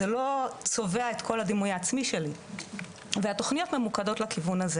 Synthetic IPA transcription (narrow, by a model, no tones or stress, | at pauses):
elo̞t͡so̞ve̞aet̪kʰo̞lad̪imujaːt͡smiʃe̞li | veat̪o̞χnijo̞t̪me̞mukado̞tlakivunaze